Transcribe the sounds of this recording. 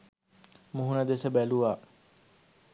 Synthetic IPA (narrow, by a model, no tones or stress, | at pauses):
muɦunɐd̪esɐbæluʋaː